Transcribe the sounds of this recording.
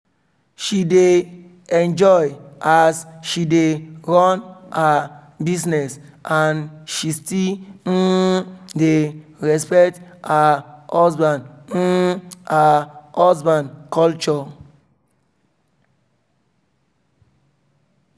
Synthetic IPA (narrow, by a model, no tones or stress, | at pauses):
ʃide | ɛ̃nd͡ʒɔjasʃideɹɔ̃na | bisnɛsãnʃisti | deɹɛspɛktahɔsbãn | ahɔsbãnkɔlt͡ʃɔ